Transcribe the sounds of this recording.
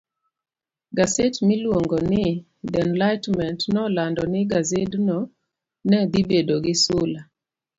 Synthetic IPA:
ɡasetmilwoŋɡɔnɪ | dɛnlaɪtmɛntnɔlandɔnɪɡazednɔ | nɛd̪ibedoɡɪsʊla

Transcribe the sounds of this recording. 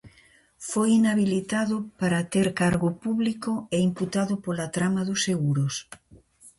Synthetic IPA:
fojinaβilit̪aðʊpaɾat̪eɾkaɾɣʊpuβlikʊeimput̪aðʊpolat̪ɾamaðʊseɣuɾʊs

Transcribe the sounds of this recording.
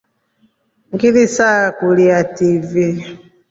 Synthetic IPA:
ŋɡilisakuliativi

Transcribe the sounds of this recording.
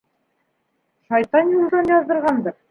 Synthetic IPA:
ʃɑjt̪ɑnjulˠd̪ɑnjɑzd̪ɤ̆ɾʁɑnd̪ɑɾ

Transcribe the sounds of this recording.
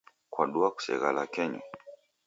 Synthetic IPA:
kwaɗuaku̥sɛ̰ɣalakɛɲa̰

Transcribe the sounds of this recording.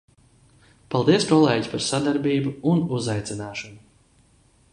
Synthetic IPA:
palˠd̪iɛskɔlˠeːɟipaɾsad̪aɾbiːbuunuzajt̪sinaːʃɔnu

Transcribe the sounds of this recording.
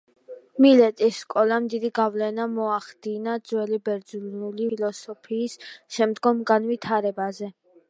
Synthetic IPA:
milɛt̪ʼisːkʼɔlamd̪id̪iɡavlɛnamɔaχd̪̥inad̪zwɛlibɛɾd̪znulilɔsɔpʰiːsʃɛmd̪ɡɔmɡanvit̪ʰaɾɛbazɛ

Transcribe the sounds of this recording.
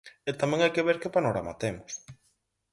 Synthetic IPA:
et̪amẽŋajkeβeɾkepanoɾa̰ma̰t̪emʊs

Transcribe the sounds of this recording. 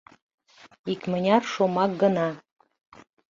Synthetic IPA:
ikmə̆nʲɑrʃomɑk̚ɡə̆nɑ

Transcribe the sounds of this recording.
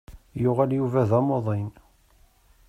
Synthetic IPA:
jʊʁæljuvæðɑmoðˤen

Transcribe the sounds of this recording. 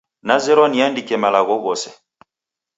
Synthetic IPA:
nazɛɾɔniandikɛmalaɣɔɣɔsɛ

